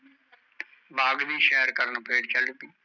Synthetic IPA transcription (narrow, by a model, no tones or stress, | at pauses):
baːɡd̪iːʃɛːɾkəɾnpeːɖt͡ʃəlːt̪iː